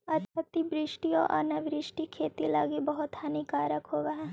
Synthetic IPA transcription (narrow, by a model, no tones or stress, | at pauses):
ɐt̪ɐt̪ibɾɪʃʈiɔ̰ːʔɐ̰naʋɾɪʃʈikʰeːt̪ilaːɡibɐɦʊt̪hɐnikaːɾəkɦoːʋaɦ